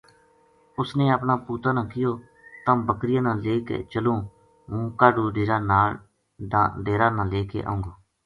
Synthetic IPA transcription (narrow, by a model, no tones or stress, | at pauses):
ʊsnẽːəpɳaːpuːt̪aːnãːkɪjoː | t̪ãːbəkɾɪjãːnãːleːkḛːt͡ʃəlũː | ũːkaːɖuːɖeːɾaːnaːl | aɖeːɾaːnãːleːkḛːʔã̰ːʊ̃ŋɡoː